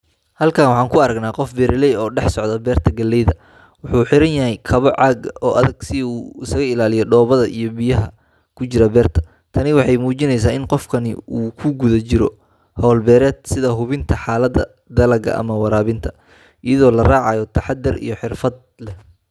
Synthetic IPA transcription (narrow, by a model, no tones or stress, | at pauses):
hɐlkʰaːnwɑħɑːŋkʰʊɐɾɐɡnaːqɔfbɛɾɪlɛjɔːɖɛħsɔʕd̪ɐbɛːrt̪ʰɐɡɐlːɛjðɐ | wʊħuːħɪɾɐnjɐɦɛjkʰɐβɔʕɑːɡʔɔːʔɐðɐɡsɪuːɪsɐɣɐɪlaːlɪjɔɖɔːβɐðɐʔijɔbijɐɦɐ | kʰʊt͡ʃɪɾɐbɛːrt̪ʰɐ̥ | t̪ʰɐnɪwɑħɑjmuːt͡ʃɪnɛjs̬aːɪnqɔfkʰɐnɪ̰uːkʰʊɡʊðɐt͡ʃɪɾɔ | hɔːlbɛːɾɛːd̪sɪðɐɦʊβɪnt̪ʰɐħaːlɐd̪ɐ | d̪ɐlɐɡɐ̰ʔɐ̰mɐwɑɾaːβɪnt̪ʰɐ̥ | ʔijɐðɔːlɐraːʕɑjɔt̪ʰɐħɑd̪ɪrḭjɔħɪrfɐd̪̚ | lɛh